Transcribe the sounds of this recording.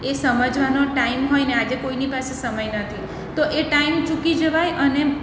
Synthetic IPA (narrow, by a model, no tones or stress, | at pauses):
esəməd͡ʒʋanoʈaimɦojnead͡ʒekoinipasesəməjnət̪ʰi | t̪oʔeʈaimt͡ʃukid͡ʒəʋajʔəne